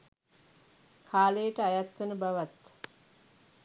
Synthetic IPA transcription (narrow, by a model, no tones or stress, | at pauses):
kʰaːlejəʈəajat̪ʋənəbaʋat̪